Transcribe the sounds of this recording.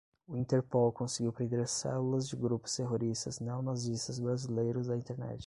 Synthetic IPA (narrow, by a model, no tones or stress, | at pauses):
ʊĩnt̪eɾpowkõsɪɡiwpɾẽnd̪eɾsɛ̰lulɐzd͡ʒɪɡɾupʊ̥st̪eɦoɾist̪ɐznewnazist̪ɐzbɾazilejɾʊzd̪ɐĩnt̪eɾnɛ̰t͡ʃɪ̥